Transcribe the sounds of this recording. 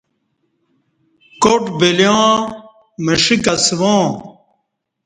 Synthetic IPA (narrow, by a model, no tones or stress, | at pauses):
koʈbiljãː | məʂikɐsʋãː